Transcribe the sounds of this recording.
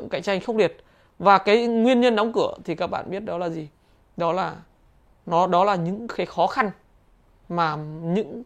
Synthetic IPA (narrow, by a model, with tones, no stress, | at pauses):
ŋka̰˧˨jt͡ɕa˧jŋ̟xə˧˥ŋ͡m̚li˨˩ət̚ | vaː˨˩kaː˨˦jŋwi˧ənɲə˧nɗɔ˨˦wŋ͡mkɨ˧˩˨ət̪ʰi˨˩kaː˦˥k̚ɓa̰ː˧˨nɓi˦˥ət̚ɗɔ˨˦laː˨˩zi˨˩ | ɗɔ˨˦laː˨˩ | nɔ˨˦ɗɔ˨˦laː˨˩ɲɨ̰˧˥ŋkaː˨˦jxɔ˨˦xa˧n | maː˨˩ɲɨ̰˧˥ŋ